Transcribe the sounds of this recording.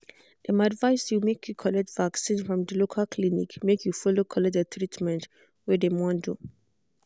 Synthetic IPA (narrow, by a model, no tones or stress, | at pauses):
d̥ɛmadvaɪsjumekʰjukʰɔlɛtv̥aksĩnfɹɔ̃mdəlokʰalkʰlinḭkmekʰjufɔlokʰɔlɛt̚dətʰɹitmɛ̃nt | wɛdemɔ̃ndu